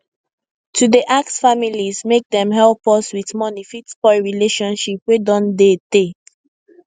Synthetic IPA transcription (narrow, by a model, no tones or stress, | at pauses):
tʰudeʔak̚sfamilizmek̚dɛ̃mɦɛlˠpɔswiθmɔnifitspɔɪɹileʃɔ̃nʃipwedɔ̃ndede